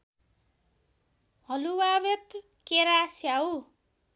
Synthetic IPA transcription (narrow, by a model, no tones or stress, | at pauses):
hʌluwaβet̪ | keɾasjau